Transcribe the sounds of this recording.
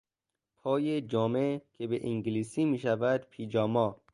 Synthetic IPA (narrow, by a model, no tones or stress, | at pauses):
pʰɒːjed͡ʒɒːmecʰebeʔiŋɟliːsiːmiːʃævæd̪pʰiːd͡ʒɒːmɒː